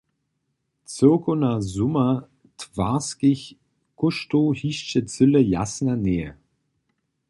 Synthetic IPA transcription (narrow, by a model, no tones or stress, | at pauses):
t͡sɪɐkonazʊmɐ | tv̥aːskɪç | kʊʃtohiːʃt͡ʃət͡sʏləja̰snɐneːə̰